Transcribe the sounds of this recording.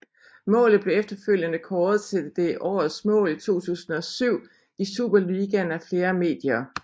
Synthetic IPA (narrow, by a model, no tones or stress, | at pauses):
mɔ̰̽ːlð̩ˠb̥le̝efd̥ɐføl̰jənəkʰɒːð̩ˠt͡sʰe̝d̥e̝ʔɒ̰ːð̩ˠsmɔ̰̽ːlit͡sʰo̝̰ːt͡sʰṵːsn̩ɒ̽syʊ̰ | isṵːb̥ɐliɡ̥ænæfle̝ːɐme̝̰ːd̥jɐː